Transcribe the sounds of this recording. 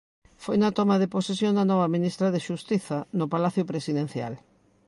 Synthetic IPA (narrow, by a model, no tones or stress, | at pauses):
fojnɐt̪ɔmɐðeposesjoŋd̪ɐnɔβɐminist̪ɾɐðeʃust̪iθɐnʊpalaθjʊpɾesiðen̟θja̰l